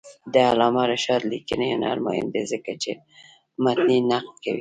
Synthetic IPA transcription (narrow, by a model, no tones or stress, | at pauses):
d̪əalɑmaɾaʃɑd̪likənejonɑ̰ɾmɑhɪ̰nd̪ezəkat͡ʃe | mat̪ninaqlkawḭ